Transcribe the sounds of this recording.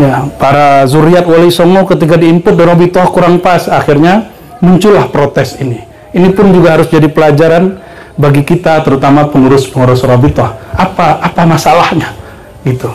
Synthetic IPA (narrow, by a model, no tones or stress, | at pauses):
japaɾazuɾiat̪walisɔŋɔkət̪ikadiːmpʊt̪̚danobit̪ɔhkuɾaŋpasaxirɲa | muɲt͡ʃʊlahpɾot̪ɛsini | inipʊnd͡ʒuɡahaɾʊsd͡ʒadipəlad͡ʒaɾan | baɡikit̪at̪əɾut̪amapənuɾʊspəŋɔɾɔsɔɾɔbit̪ɔhapaːpamasalahɲa | ɡit̪u